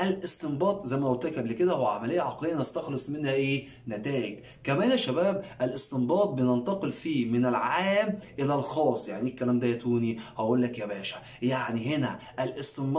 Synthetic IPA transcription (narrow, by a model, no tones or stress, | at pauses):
ʔælʔest̪embɑːt̪ˤzæjmæʔot̪ækʔæbliked̪æhowʕamælejːæʕɑqlejːænæst̪ɑxlesˤmenhæʔeː | næt̪æːʔɪɡ | kæmæːnæʃːæbæːbʔælʔest̪embɑːt̪̚ˤbenent̪ɑqelfiːmɪnælʕaːmʔelælxɑːsˤːja̰ʕniekːælæːmd̪æt̪uːnihæʔuːlːækjæbæːʃæ̥ | jaʕniɦenæʔælʔest̪emb